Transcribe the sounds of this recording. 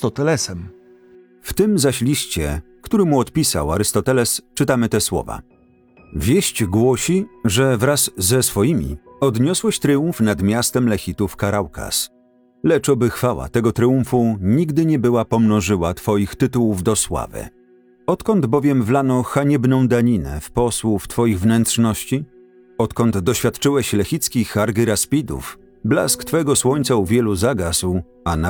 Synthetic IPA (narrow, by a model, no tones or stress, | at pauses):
t̪ɔt̪ɛlɛsɛm | ft̪ɘmzaɕlʲiɕt͡ɕɛ̰kt̪uɾɘmuɔt̪pʲisa̰wa̰ɾɘst̪ɔt̪ɛlɛst͡ʂɘt̪amɘt̪ɛswɔ̰va̰ | vʲjɛɕt͡ɕɡwɔɕiʐɛvɾazːɛsfɔjimʲḭɔd̪ɲɔswɛɕt̪ɾɘũfnad̪mʲjast̪ɛmlɛxʲit̪ufkaɾawka̰s | lɛt͡ʂɔbɘxfawa̰t̪ɛɡɔt̪ɾɘũfuɲiɡd̪ɘɲɛbɘwapɔmnɔʐɘwat̪fɔjixt̪ɘt̪uwuvd̪ɔswa̰vɘ̰ | ɔt̪kɔnd̪bɔvʲjɛmvlanɔxaɲɛbnɔ̃w̃d̪aɲinɛ̰fpɔswuft̪fɔjiɣvnɛnt̪ʂnɔɕt͡ɕi | ɔt̪kɔnd̪d̪ɔɕfʲjat̪̚t͡ʂɘwɛɕlɛxʲit̪skʲixaɾɡɘɾaspʲid̪ṵf | bla̰skt̪fɛɡɔswɔɲt̪sauvʲjɛluzaɡasw | ana